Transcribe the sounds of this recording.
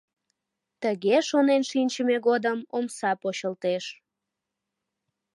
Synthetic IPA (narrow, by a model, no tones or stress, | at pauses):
t̪əɣeʃonenʃinʲt͡ɕəmeɣod̪əmomsɑpoɕəlt̪eʃ